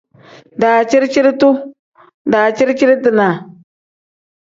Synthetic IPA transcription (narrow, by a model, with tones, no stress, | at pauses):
da˨t͡ʃi˦ɾt͡ʃi˦ɾtu˦ | daː˨t͡ʃi˦ɾt͡ʃi˦ɾtɨ˨na˨